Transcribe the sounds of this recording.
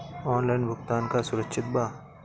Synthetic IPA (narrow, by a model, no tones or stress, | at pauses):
ɔːnlaːɪnbʱʊɡt̪aːnkasʊɾəkʃʰɪt̪̚baː